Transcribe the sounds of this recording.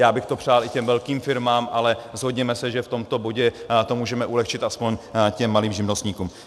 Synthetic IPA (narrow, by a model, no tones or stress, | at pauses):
jaːbɪxt̪o̞pr̥aːlʔɪcɛmvɛlkiːmfɪɾmaːmʔalɛzɦodɲɛmɛsɛʒɛft̪o̞mt̪o̞bo̞ɟɛt̪o̞muːʒɛmɛʔulɛxt͡ʃɪt̪ʔaspo̞ɲcɛmːaliːmʒɪmnost̪ɲiːkuːm